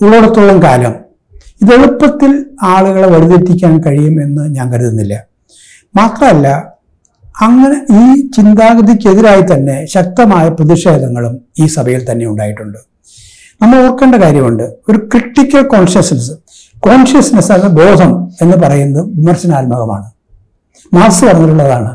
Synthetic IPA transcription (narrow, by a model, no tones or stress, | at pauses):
uɭːoːɽɐt̪ːoɭːɐmkaːlɐm | iðe̞ɻupːɐt̪ːilaːɭuɣɐɭe̞ʋɐɽiðet̪ːikʲːaːnkɐɻijume̞nːɨɲaːnkɐɾuðunːilːɐ | maːt̪rɐmɐlːɐ | ɐŋːɐneiːt͡ɕind̪aːɣɐðikʲːe̞ðiɾaːjit̪ɐnːe̞ɕɐk̚t̪ɐmaːjɐprɐðiɕeːd̪ʱɐŋːɐɭumiːsɐbʱɐjilt̪ɐnːe̞uɳɖa̰ːjiʈːuɳɖɨ | nɐmːɐɭorkːe̞ːɳɖɐkaːɾjɐmuɳɖɨo̞ɾukriʈːikʲːɐlko̞ːnɕɐsnɐsɨ | ko̞ːnɕɐsnɐsɐnebo̞ːd̪ʱɐme̞nːɨp̬ɐrɐjunːɐðɨʋimɐrɕɐnaːlmɐɣɐma̰ːɳɨ | maːrsɨpɐrɐɲːituɭːɐðaːɳɨ